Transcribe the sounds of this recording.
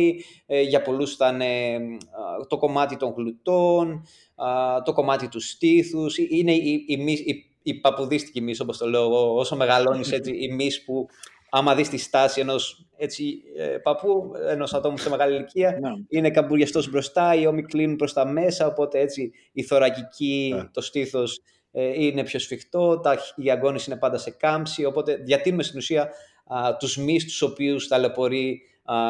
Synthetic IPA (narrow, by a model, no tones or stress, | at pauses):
i | ʝɐpo̞lusθɐne | t̪o̞ko̞mɐt̪it̪o̞ŋɣlut̪o̞n | t̪o̞ko̞mɐt̪it̪ust̪iθusiineiimisi | ipɐpuðist̪i̥cimiso̞po̞st̪o̞leoɣooso̞me̞ɣɐlo̞nise̞t͡siːmispu | ɐmɐðist̪ist̪ɐsie̞no̞s | e̞t͡sḭpɐpueno̞sɐt̪o̞museme̞ɣɐliliciɐine̞kɐbuɾʝɐst̪o̞zbɾo̞st̪ɐio̞miklinupɾo̞st̪ɐme̞sɐo̞po̞t̪e̞et͡siː | θo̞ɾɐcicit̪o̞st̪iθo̞s | ine̞pço̞sfixt̪o̞t̪ɐɐɡo̞nisine̞pɐnd̪ɐse̞kɐmsio̞po̞t̪e̞ðʝɐt̪inumest̪inusiɐ | t̪uzmist̪u̥so̞piust̪ɐlepo̞ɾi